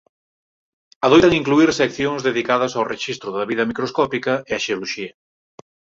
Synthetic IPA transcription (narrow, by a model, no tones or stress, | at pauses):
ɐðojt̪ɐŋiŋkluiɾsɛkθjoŋzðeðikað̞ɐsawreʃist̪ɾʊðɐβiðɐmikɾoskɔpikɐɪaʃeoloʃiɐ